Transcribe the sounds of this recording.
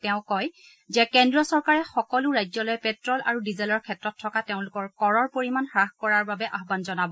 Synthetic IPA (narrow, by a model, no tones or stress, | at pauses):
tɛʊ̃kɔj | zɛkɛndɹɔsɔɹkaɹɛxɔkɔlʊɹajzɔlɔjɛpɛtɹɔlʔa̰ɹudizɛlɔɹkʰɛtɹɔtʰːɔkateʊ̃lʊkɔɹkɔɹɔɹpoɹimanxɹaxkɔɹaɹbabɛʔaɦbanzɔnabɔ